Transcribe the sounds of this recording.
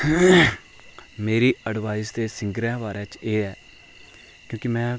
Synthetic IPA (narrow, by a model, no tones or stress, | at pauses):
meːɾiːəɖʋaːɪsd̪eːsɪŋɡɾɛ̃ːʋaːɾɛ̃ːt͡ʃeːɛː | kjõːkɪmɛ̃ː